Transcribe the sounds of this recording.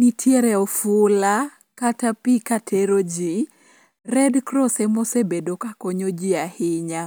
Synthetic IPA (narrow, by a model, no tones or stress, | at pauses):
nitʰjeɾɛɔfʊla | katapikatʰeɾod͡ʒi | rɛdkɾɔsɛmɔsebedokakoɲod͡ʒiahɪɲa